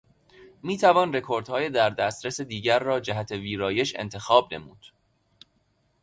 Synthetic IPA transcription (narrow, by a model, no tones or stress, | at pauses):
miːt̪ʰævɒːnre̞kʰoɾd̪hɒːjed̪æɾd̪æst̪ɾesed̪iːɟæɾːɒːd͡ʒæɦæt̪ʰeviːɾɒːje̞ʃḛnt̪ʰe̞xɒːbne̞̰muːd̪̥